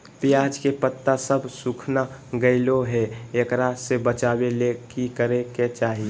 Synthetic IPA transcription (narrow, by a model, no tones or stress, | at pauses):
pɪjaːd͡ʒkepət̪ːasəbʱsukʰnaɡəɪloɦɛekɾasebət͡ʃaːbelekikəɾeket͡ʃaːɦie